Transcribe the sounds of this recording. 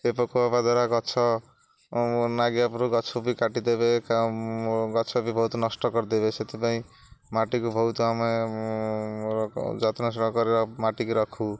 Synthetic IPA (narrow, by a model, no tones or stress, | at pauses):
kepɔkoabad̪aɾaɡɔt͡ʃʰɔ | naɡjapɾuɡɔt͡ʃʰɔbikaʈid̪ebeka | ɡɔt͡ʃʰɔbibʱɔwt̪ɔnʌsʈɔkɔɾd̪ebeset̪ʰipaĩ | maʈikubʱɔwt̪oame | d͡ʒat̪nas̬ɽkɔɾeɾɔmaʈikuɾɔkʰu